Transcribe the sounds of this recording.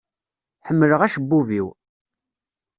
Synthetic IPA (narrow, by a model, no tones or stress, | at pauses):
ħəmːələʁæʃəbːuviw